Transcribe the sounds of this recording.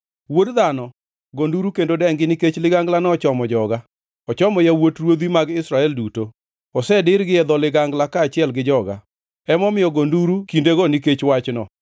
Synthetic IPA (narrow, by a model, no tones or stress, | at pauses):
wodðanɔ | ɡonduɾukendodɛŋɡɪniket͡ʃlɪɡaŋɡlanɔɔt͡ʃɔmɔd͡ʒɔɡa | ɔt͡ʃɔmɔjawotrwod̪imaɡɪsɾaɛlduto | ɔsɛdɪɾɡɪɛd̪ɔlɪɡaŋɡlakaːt͡ʃɪɛlɡɪd͡ʒɔɡa̰ | ɛmɔmɪjɔɡonduɾukindeɡɔniket͡ʃwat͡ʃnɔ